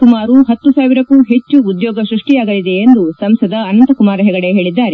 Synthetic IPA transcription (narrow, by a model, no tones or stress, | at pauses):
kumaːɾuɦɐt̪ːusaːʋiɾɐkːuɦe̞t͡ʃːuːd̪jɔːɡɐʃɾuʂʈijaːɡɐlid̪e̞ːnd̪usɐmsɐd̪ɐːnɐnt̪ɐkumaːɾɐɦɛɡɐɽeɦe̞ːɭid̪ːaːɾe